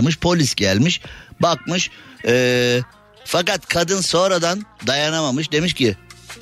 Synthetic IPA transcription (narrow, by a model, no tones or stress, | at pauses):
mɯʃpʰo̞lʲisɟælʲmiʃbak̚mɯʃɛː | fakat̪kʰad̪ɯnso̞ːnɾad̪and̪ajanamamɯʃd̪e̞miʃcɪ